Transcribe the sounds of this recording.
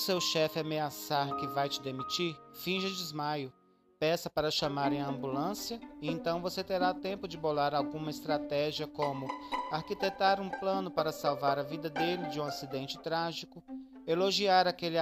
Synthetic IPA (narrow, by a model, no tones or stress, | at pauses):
sewʃɛfɪameasaɾkɪvajt͡ʃɪd̪emit͡ʃiɾfĩʒɐd͡ʒɪzmajʊ | pɛsɐpaɾɐʃɐ̃maɾẽj̃ɐ̃mbulɐ̃sijɐɪẽnt̪ɐ̃w̃voset̪eɾat̪ẽmpʊd͡ʒɪbolaɾawɡũmɐɪst̪ɾat̪ɛʒiɐkõmʊaɾkit̪et̪aɾũplɐ̃nʊpaɾɐsawvaɾɐvid̪ɐd̪elɪd͡ʒɪũasid̪ẽnt͡ʃɪ̥t̪ɾaʒikʊ | eloʒiaɾakelɪ